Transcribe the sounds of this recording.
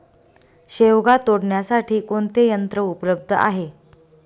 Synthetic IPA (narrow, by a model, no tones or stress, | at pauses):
ɕeʋɡat̪oɽɳjasaʈʰiːkoɳt̪ejənt̪ɾəupləb̚d̪ʱəa̰ɦe